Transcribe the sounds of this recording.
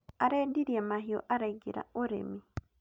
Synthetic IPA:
aɾɛdiɾiɛmaɦiɔ̰ʔaɾɛɡiɾa̰oɾḛmi

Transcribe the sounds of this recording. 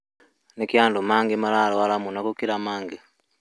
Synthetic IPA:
nekjaːndomaːŋɡemalaloalamunakukiɾamaːŋɡe

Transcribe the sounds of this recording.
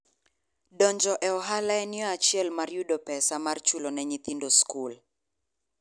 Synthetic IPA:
dɔɲd͡ʒɔʔɛɔɦalaɛnɪɔat͡ʃiɛlmarjudɔpɛsamart͡ʃulonɛɲit̪indoskul

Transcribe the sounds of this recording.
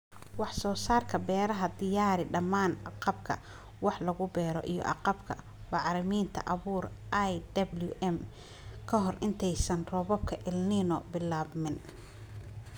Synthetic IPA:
wɑħsɔːsaːrkʰɐbɛːɾɐɦɐd̪ɪjaːɾɪɖɐmaːnɑqɑbkʰɐ̰ | wɑħlɐɣʊbɛːɾɔ̰ʔḭjɔ̰ʔɑ̰qɑbkʰɐ̰ | bɑʕɾɪmiːnt̪ʰɐ̰ʔɐβuːrʔajd̪ɐbljʊʔɛm | kʰɐɦɔrʔɪnt̪ʰɛjsɐnrɔβɔb̚kʰɐʔɪlnɪnɔbɪlaːβmɪn

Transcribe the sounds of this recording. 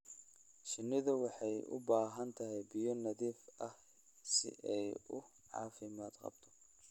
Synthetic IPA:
ʃɪnːɪðɐwɑħɑjʊ̰baːɦɐnt̪ʰɐɦɛjbɪjɔnɐðiːfʔɐh | sɪ̰ʔɛjʊ | ʕɑ̰ːfɪmaːd̪qɑ̰bt̪ʰɔ̥

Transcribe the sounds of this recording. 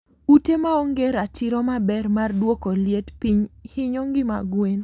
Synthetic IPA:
utemaoŋɡeɾatɪɾɔmabɛrmardwokoljetpiɲhɪɲoŋɡɪma̰ɡwen

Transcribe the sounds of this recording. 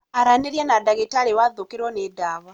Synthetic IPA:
aɾaneɾjanadaɣetaɾewaðokeɾwɔnedaβa

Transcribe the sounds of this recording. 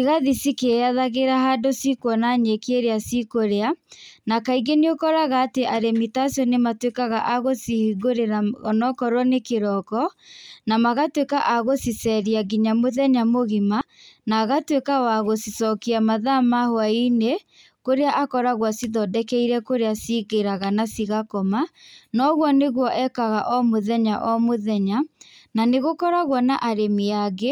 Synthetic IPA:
iɣaðisikeaðaɣeɾaɦadosikwɔnaɲekeɾeasikoɾeanakaiɣeneokɔɾaɣaːteʔaɾemitasjɔnematwekaɣaʔaɣosihiɣoɾeɾaɔnɔkɔɾwɔnekeɾɔkɔnamaɣatwekaʔaɣosisɛɾiaɡiɲamoðɛɲamoɣima | naːɣatwekawaɣosisɔkiamaðamahwaine | koɾeaʔakɔɾaɣwasiðɔdɛkɛiɾɛkoɾeasiɣeɾaɣanasiɣakɔmanɔɣwɔneɣwɔʔɛkaɣaʔɔmoðɛɲaʔɔmoðɛɲananeɣokɔɾaɣwɔnaʔaɾemiaɣe

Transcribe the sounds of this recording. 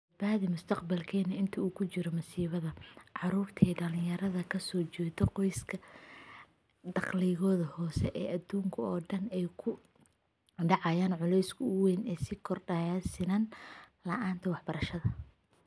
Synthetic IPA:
bd̪̚baːðɪmʊst̪ʰɐqbɐlkʰɛːnɐɪnt̪ʰɐuːkʰʊt͡ʃɪɾɔmɐsiːβɐðɐʕɑɾuːrt̪ʰɛːɖɐlɪ̃jɐɾɐðɐkʰɐsɔːt͡ʃɛːt̪ɔqɔjskʰɐ | d̪ɑqliɣɔːðɐhɔːsɛʔɛːʔɐd̪uːŋkʰɐɔːɖɐnɛjkʰʊ | ɖɑʕɑjaːnʕʊlɛjskʰʊwɛnɛːsɪkʰɔrɖasɪnɐnlɐʔaːnt̪ʰɐwɑħbɐɾɐʃɐðɐ

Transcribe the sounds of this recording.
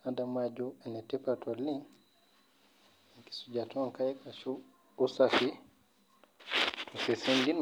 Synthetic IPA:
adamad͡ʒuɛnɛtɛpatɔlːin | ɛki̥sud͡ʒatʰɔŋkajɛkaʃu | usafi | tʰɔsɛsendin

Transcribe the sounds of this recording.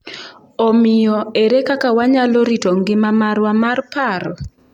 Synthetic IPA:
ɔmɪjɔeɾekakawaɲaloɾitoŋɡɪmamaɾwamarpaɾɔ

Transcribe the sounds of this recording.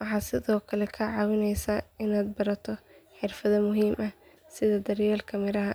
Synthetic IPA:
wɑħɑːsɪðɔːkʰɐlɛkʰɐʕɑːwɪnɛjsaɪnaːd̪̚bɐɾɐt̪ʰɔħɪrfɐðɐmʊɦiːmʔɐh | sɪðɐd̪ɐrjaːlkʰɐmɪɾɐɦɐ

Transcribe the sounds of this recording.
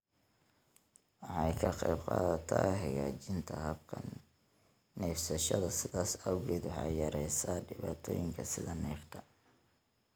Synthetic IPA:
wɑħɑjkʰɐqɛːbqɑːðɐt̪ʰaːɦɐjaːt͡ʃɪnt̪ʰɐhɐbkʰɐn | nɛːfsɐʃɐðɐsɪðaːsɐwɣɛːd̪wɑħɑjjɐɾɛjsaːɖɪβaːt̪ʰɔ̰ːjɪŋkʰɐsɪðɐnɛːft̪ʰɐ

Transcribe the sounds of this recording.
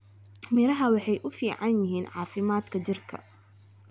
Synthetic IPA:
mɪɾɐɦɐwɑħɑjʔʊfiːʕɑnjɪɦiːnʕɑ̰ːfɪmaːd̪kʰɐt͡ʃɪrkʰɐ̰

